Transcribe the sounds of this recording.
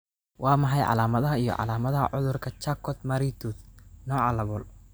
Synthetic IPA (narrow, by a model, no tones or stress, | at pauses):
wʔɑːmɐħɑjʕɑ̰laːmɐðɐɦɐijɔ̰ʕɑ̰laːmɐðɐɦɐ̰ʕʊðʊrkʰɐt͡ʃakʰɔd̪mɐɾit̪ʰud̪nɔːʕɑlɐβɔl